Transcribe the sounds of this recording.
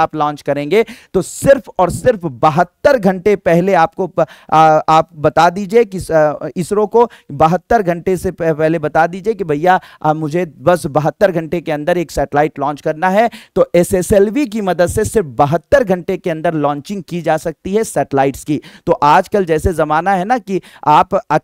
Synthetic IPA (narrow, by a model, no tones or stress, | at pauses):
aːplɔ̃ːnt͡ʃkɐɾẽːŋɡet̪osɪɾfɔːɾsɪɾfbɐɦət̪ːəɾɡʱɐ̃ɳʈepɛɦleaːpko | aːp̚bɐt̪ad̪iːd͡ʒiekiɪsɾõkobɐɦət̪ːəɾɡʱɐ̃ɳʈesepɛɦlebɐt̪ad̪iːd͡ʒiekibʱɐjamʊd͡ʒʱebɐsbɐɦət̪ːəɾɡʱɐ̃ɳʈekeɐ̃nd̪əɾeːksɛːʈlaːɪʈlɔ̃ːnt͡ʃkɐɾnaɦɛt̪oʔɛsɛsɛlʋik̬imɐd̪əd̪sesɪɾfbɐɦət̪ːəɾɡʱɐ̃ɳʈekeɐ̃nd̪əɾlɔ̃ːɲt͡ʃɪ̃ŋɡ̚kid͡ʒaːsɐk̚t̪iɦɛsɛːʈəlaːɪʈskit̪oːʔaːd͡ʒkəld͡ʒɛːsezɐmaːnaɦɛnakiaːpɐ